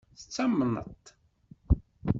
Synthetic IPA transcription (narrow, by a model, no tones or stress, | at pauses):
θət͡sːamːnə̰t̪